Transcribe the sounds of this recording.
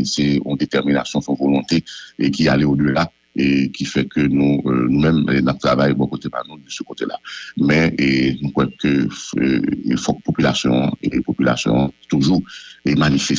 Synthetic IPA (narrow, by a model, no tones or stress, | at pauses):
sɛɔ̃d̪et̪ɛʁmina̰sjɔ̃sɔ̃volɔ̃t̪eekia̰leodjøla | ekʲifɛkønũønũmɛmnap̚t̪ʰʁavajbɔ̃kot̪epa̰ʁnũd̪əsəkot̪ela̰mɛenũkwɛkøø̰fɔk̚popylasjɔ̰̃epopyla̰sjɔ̰̃t̪uʒuʁemanifɛ